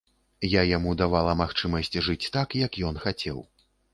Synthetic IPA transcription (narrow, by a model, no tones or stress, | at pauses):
jajamud̪avalˠɐmaxt͡ʂɨmɐsʲt͡sʲʐɨt͡sʲt̪akjɐkjɔn̪xat͡sʲɛ̰w